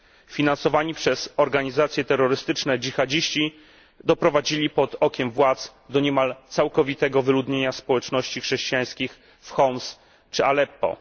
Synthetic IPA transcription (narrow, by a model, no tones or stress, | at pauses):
fʲinansɔvaɲipʂɛz̥ɔɾɡaɲizat̪sʲjɛt̪ɛɾːɔɾɘst̪ɘt͡ʂnɛd͡ʑixad͡ʑiɕt͡ɕi | d̪ɔpɾɔvad͡ʑilʲipɔd̪ɔkʲɛmvwat̪s | d̪ɔɲɛmalt̪sawkɔvʲit̪ɛɡɔvɘlud̪ɲeɲaspɔwɛt͡ʂnɔɕt͡ɕixʂɛɕt͡ɕijaj̃skʲix | fxɔms | t͡ʂɘalɛpːɔ̰